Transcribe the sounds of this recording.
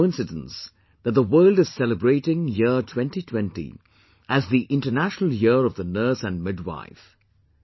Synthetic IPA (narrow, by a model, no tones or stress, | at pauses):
ɪ̃nsɨdə̃ns | ðɨt̚ðəwɜːlˠdɨz̥sɛləbɹeɪɾɪ̃ŋjɪətʰw̥ɛ̃ntitʰw̥ɛ̃ntḭ | ʔɨzðiʔɪ̃ntə˞næʃnəl̩ˠjɪɹʌvðənɜ˞sɨ̃nmɪdwa̰ɪf